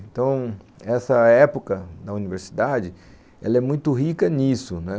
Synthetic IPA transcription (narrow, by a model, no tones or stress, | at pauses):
ẽnt̪ɐ̃w̃ | ɛsɐɛpokɐd̪ɐuniveɾsi̥d̪ad͡ʒɪ | ɛ̰lɐɛmũj̃t̪ʊɦikɐnisʊnɛ